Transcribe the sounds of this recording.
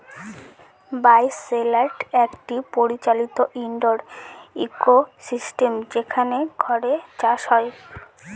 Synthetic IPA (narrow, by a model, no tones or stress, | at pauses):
bajselaʈɛkʈipoɾit͡ɕalit̪oʔiɳɖoɾikosisʈemd͡ʑekʰaneɡʱɔɾet͡ɕaʃɦɔe